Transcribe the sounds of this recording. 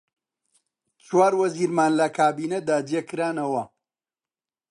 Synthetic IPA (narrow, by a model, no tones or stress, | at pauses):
t͡ʃwaːɾwɐziːɾmaːnlɐkʰaːbiːnɐd̪aːd͡ʒekɨɾaːnɐwɐ